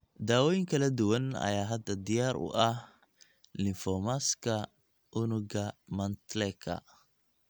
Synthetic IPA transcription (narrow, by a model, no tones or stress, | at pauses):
d̪aːwɔːjɪŋkʰɐlɐd̪ʊwɐnɐ̰jaːɦɐd̪ɐd̪ɪjaːɾʊ̰ʔɐh | lɪfɔmaskʰɐ | ʔʊnʊɡɐmɐnt̪lɛkʰɐ̰